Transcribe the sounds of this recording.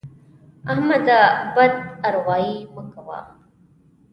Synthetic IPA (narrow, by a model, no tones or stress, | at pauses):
ahmad̪abad̪aɾʁʷaːjiməkawa̰ː